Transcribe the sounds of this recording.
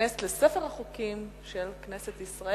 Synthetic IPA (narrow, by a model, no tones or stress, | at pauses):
estlesefeʁaχukimʃelkne̞set̪isʁae